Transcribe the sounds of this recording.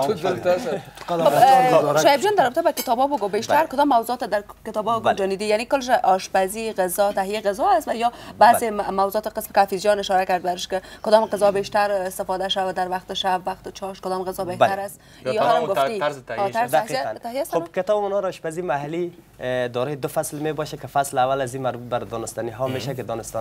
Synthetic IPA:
oʃɔjebd͡ʒɔnd̪aɾɔbɪt̪abakɪt̪ɒbɔboɡobeʃt̪aɾkʊd̪ɔmːawzuɔt̪ad̪aɾkɪt̪ɒbɔbɡod͡ʒɔnid̪ijanikʊlːʃ̬aʔɔʃbaziɣezɔt̪aɦijeɣəzɔast̪ʋajɔbazemawzuɔːt̪ɪqəsmɪkafizjɔnɪʃɔɾakaɾd̪̚baɾɪʃkɪkʊd̪ɔmɣəzɔbeʃt̪aɾɪst̪ɪfɔd̪aʃawad̪aɾwaqt̪ʃabːaqt̪t͡ʃʰɔʃkʊd̪ɔmɣəzɔbehbaaɾas | iɔamɡʊit̪aɾzd̪aahiant̪ahijast̪onbkɪt̪ɔbmʊnɔɾɔʃpazimaɦali | d̪ɔɾɔjd̪ʊfaslmebɔʃakɪfaslawalazimaɾbut̪̚baɾd̪ɔnɪst̪aniɦɔmeʃakɪd̪ɔnɪst̪ɔ

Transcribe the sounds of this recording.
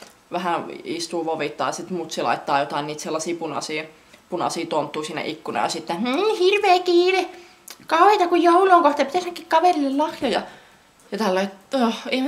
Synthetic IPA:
ʋæhæist̪uːʋoʋit̪ːɑ̰isit̪mut̪silɑ̰it̪ːɑːjot̪ɑˑinniːt̪selːɑsiːpunɑ̰siː | punɑ̰siːt̪ont̪ːuːsiːnæ̰ʔikːunɑ̰jɑ̰sit̪ːennːhirʋeːkiːni | kɑuhet̪ɑkujjouloːŋkoht̪ɑpit̪æˑsnækːikkɑʋelilːellɑhjojɑ | jɑt̪ælːæit̪oem

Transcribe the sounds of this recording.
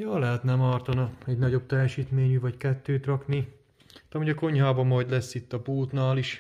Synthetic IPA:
jɒːlɛɦɛt̪nɛmɒrt̪ɒnɒɛɟnɒɟo̞b̚t̪ɛjɛʃiːt̪meːɲyvɒckɛt̪ːøːt̪rɒkni | t̪ɒmuɟɒko̞ɲhaːbɒmɒjd̪lɛsːit̪ːɒbuːlt̪naːliʃ

